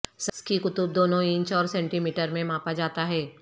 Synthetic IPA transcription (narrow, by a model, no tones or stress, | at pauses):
sɐskikʊt̪ʊb̚d̪oːnõɪ̃ɲt͡ʃɔːɾsɛ̃ːɳʈimiːʈəɾmẽmãːpad͡ʒaːt̪aɦɛː